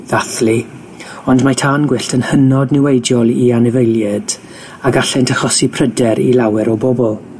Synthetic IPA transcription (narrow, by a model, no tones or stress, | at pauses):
ðaθli | ɔndmatʰaːnɡwɪɬtʰənhənɔdnɪwejdjɔlˠianɛvəjlˠjɛd̥ | aɡaɬɛntʰəχlɔsipʰrədɛɾḭlˠawɛɾɔbɔbɔlˠ